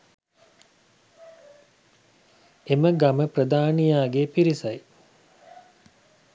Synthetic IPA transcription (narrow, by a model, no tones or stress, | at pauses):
eməɡaməprəd̪aːnijaːɡepiɾisaj